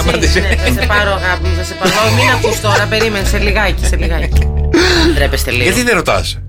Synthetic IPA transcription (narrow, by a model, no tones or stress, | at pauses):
mɐd̪isnesɐsepɐɾoɐɣɐposɐsepɐɾominɐft̪ost̪o̞ɾɐpe̞ɾimenseliɣɐci̥seliɣɐci | d̪ɾepest̪eliɐt̪iðeɾot̪ɐ̰s